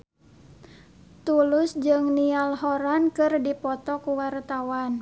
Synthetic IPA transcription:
t̪ulʊsd͡ʒɨŋnialhɔɾankɨrdipɔt̪ɔkuwart̪awan

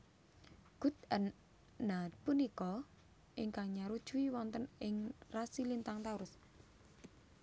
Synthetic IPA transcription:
ɡ̥ṳt̪̚ən | napunikɔ | ʔiŋkaŋɲaɾud̥ʒ̥uwiwɔnt̪ənɪŋrasilint̪aŋt̪auɾʊs

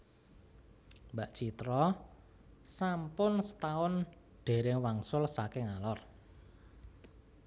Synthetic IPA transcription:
mbaʔt͡ʃit̪ɾɔ | sampʊnsə̥t̪aʊn | ɖ̥e̤ɾɪŋwaŋsʊlsakɪŋalɔr

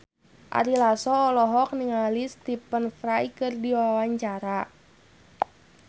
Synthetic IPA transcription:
ʔa̰ɾilasɔːlɔɦɔk̚niŋalist̪ipənfɾajkɨrdiwawaɲt͡ʃaɾa

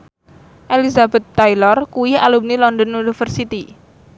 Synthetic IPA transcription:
ʔelisabɛt̪ːajlɔrkuwialum̚nilɔnd̪ɔnunifərsit̪i

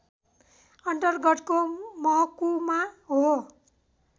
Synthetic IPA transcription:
ʌnt̪ʌrɡʌʈkomʌɦʌkumaɦo

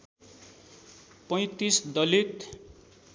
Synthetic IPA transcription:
pʌj̃t̪isd̪ʌlit̪

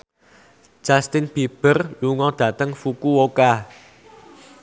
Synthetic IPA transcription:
ʒ̥ast̪ɪnb̥ib̥ərluŋɔd̪̥ä̤t̪əŋfukuwoka

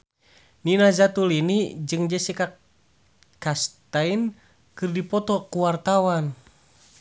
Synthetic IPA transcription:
ninazat̪ulinid͡ʒɨŋd͡ʒɛsɛka | kast̪ain | kɨrdipɔt̪ɔkuwart̪awan

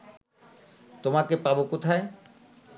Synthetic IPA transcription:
t̪omakepabokot̪ʰae

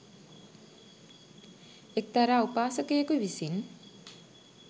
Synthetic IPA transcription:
ek̚t̪aɾaːupaːsəkəjəkuʋisin

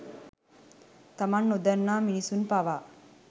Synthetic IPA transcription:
t̪amanːud̪ɐnːaːminisunpaʋaː

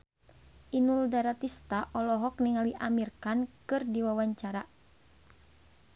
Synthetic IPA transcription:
ʔinuldaɾat̪ist̪aʔɔlɔɦɔkniŋaliʔamirkankɨrdiwawaɲt͡ʃaɾa

